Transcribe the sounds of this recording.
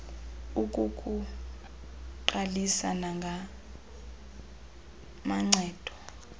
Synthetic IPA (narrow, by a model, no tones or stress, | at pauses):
ukʼukʼu | ǃalisanaŋɡʱa | maŋ͡ǀʱɛːd̥ʱɔ